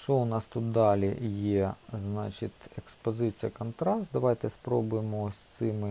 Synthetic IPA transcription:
t͡ʃɔʊnɑst̪ut̪̚d̪ɑlʲɪjɛznɑ̰t͡ʃɪt̪ʲekspɔzɪt͡sʲijɐkɐnt̪ɾɑst̪̚d̪ɐʋɑjt̪ɛspɾobʊjɪmɔsʲt̪sɪmɪ

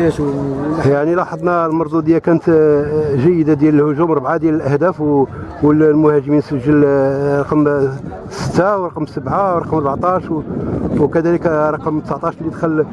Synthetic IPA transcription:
æt̪jaʕnilɑħɑd̪ˤnalmɑɾˤd̪ud̪əjːakænət̪ʒæjːəd̪ad̪jæləlhʊʒumɾˤbʕad̪jæləlʔæhd̪æfwwəllmʊhæʒəminsəʒːəlɾˤɑqm | sə̥t̪ːawɾˤɑqmsəbʕawɾˤɑqmɑˤɾbʕt̪ˤɑʃwwkæd̪æləkɾˤɑqəmt̪əsʕt̪ˤɑʃlid̪xəlː

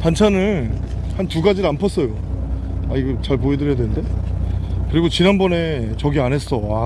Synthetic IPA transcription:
pant͡ɕʰanɯn | hantuɡad͡ʑiɾanpʰʌs͈ʌjo | aiɡʌt͡ɕaɭp̬oedɯɾjadwenɯnde̞ | kɯɾiɡot͡ɕinɦanbʌne̞t͡ɕʌɡianɦe̞s͈ʌa

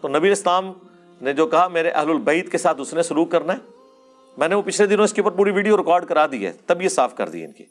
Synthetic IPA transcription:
t̪oːnɐbiːəlɪslaːm | ned͡ʒoːkɐɦameːɾeʔɐ̰ɦlʊlbɐɪt̪kesaːt̪ʊsnẽsʊluːkːɐɾnaɦɛː | mɛ̃ːneʋopɪt͡ʃʰled̪ɪnõɪskeuːpəɾpuːɾiʋiːɖijoɾɪkɔːɾɖkɐɾaːd̪iɛ̰ːt̪ɐbjesaːfkɐ̰ɾd̪ḭɛ̰ɪ̰nkḭ

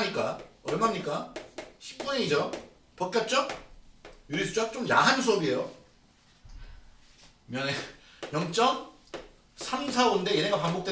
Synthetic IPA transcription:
ɲik͈aʌɾʌnmamɲik͈aɕʰi̥p̚k͈uɲeɲid͡ʑʌ | pʌk̚k͈jʌp̚t͡ɕ͈ʌk̚ | juɾisʰud͡ʑak̚t͡ɕ͈omjaɦansʰuʌbie̞jo | mjʌne | jʌŋt͡ɕ͈ʌm | sʰamsʰaonde̞jeneɡapaŋbok̚t͈e

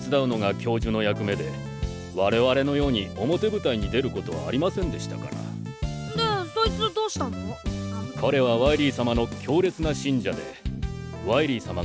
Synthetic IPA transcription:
t͡sɨd̪aɯ̟no̞ɡakʲo̞ːʑɨno̞jakɯ̟me̞d̪e̞ | βaɾe̞βaɾe̞no̞jo̞ːɲ̟io̞mo̞t̪e̞bɯ̟t̪aiɲ̟id̪e̞ɾɯ̟ko̞t̪o̞βa̰ːɾʲimasẽnd̪e̞ɕi̥t̪aka̰ɾa̰ | nesoit͡sɨd̪oːɕi̥t̪ãnookʰo̞ɾe̞βaβaiɾʲiːsamano̞kʲʰo̞ːɾe̞t͡sɨnaɕĩɲ̟d͡ʑad̪e̞ | βaiɾʲiːsama

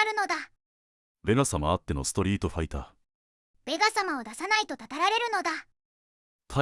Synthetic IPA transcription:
ɾɯ̟no̞d̪a | be̞ɡasamaːt̪ːe̞no̞̰sɨ̥t̪o̞ɾʲiːt̪o̞ɸait̪a | b̥e̞ɡasamao̞d̪asanait̪o̞t̪at̪aɾaɾe̞ɾɯ̟no̞d̪a | t̪ʰa

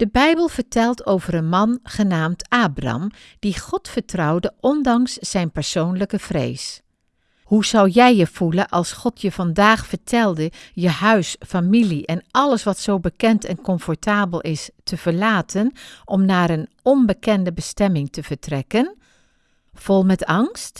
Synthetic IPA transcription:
d̥əbɛjbəlˠvəɹtɛlˠtʰowvəɾənmɑnχənaːmtaːbrɑ̰m | d̥iχɔtfəɹtrɑwdəʔɔndɑŋsːɛjnpɛɹsownləkəv̥rḛjs | huzʌwjɛjəv̥ulənʔɑlˠsχɔtʰjəv̥ɑndaːχfəɹtʰɛlˠdəjəhœɥsfamiliʔɛnɑləsʋɑtsowbəkɛntɛnkɔɱfɔɹtaːbəlˠʔɪstəv̥əɹlaːtənʔɔmnaːɹən | ɔnbəkɛndəbəstɛmɪŋtəv̥əɹtrɛkən | v̥ɔlˠmɛtɑŋst

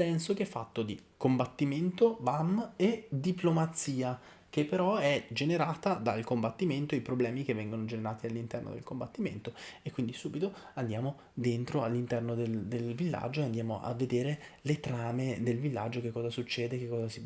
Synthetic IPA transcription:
pɛnsok̟ɛfːa̰t̪ːod̪ikombat̪ːiment̪obamed̪iplomat̪siːa | k̟epːeɾɔɛd͡ʒeneɾaːt̪ad̪alkombat̪ːiment̪oipɾoblɛːmik̟evːɛŋɡonod͡ʒeneɾaːt̪ialːint̪ɛrno̰d̪ḛlkombat̪ːimḛnt̪oekːwind̪isuːbit̪oand̪jaːmo | d̪ent̪ɾoalːint̪ɛrnod̪eld̪elvilːa̰d͡ʒːoeand̪jaːmoʔa̰vːed̪eːɾe | let̪ɾaːmed̪elvilːa̰d͡ʒːok̟ekːɔːzasut͡ʃːɛːd̪ekːekːɔːzasi

